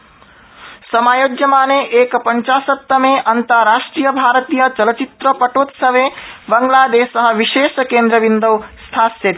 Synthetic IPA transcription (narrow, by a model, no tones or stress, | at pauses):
səmajod͡ʒjəmaneʔekpəɲt͡ʃasət̪ːəmeʔənt̪əɾɾaʃʈɾijəbʱaɾət̪ijət͡ʃələt͡ʃit̪ɾəpəʈot̪səbebəŋɡlad̪esəɦəʋiʃeskend̪ɾəbind̪əwst̪ʰasjet̪